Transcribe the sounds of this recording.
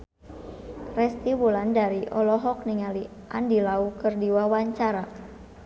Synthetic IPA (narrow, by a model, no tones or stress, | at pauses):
rɛst̪iwulandaɾiʔɔlɔɦɔk̚niŋali | ʔa̰ndilaukɨrdiwawaɲt͡ʃaɾa